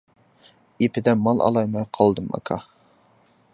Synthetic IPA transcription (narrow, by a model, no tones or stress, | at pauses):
epʰɪd̪ɛmɑlˠʔɑ̰lˠɑjmɛjqʰɑlˠd̪ɨmʔɑ̰kʰɑ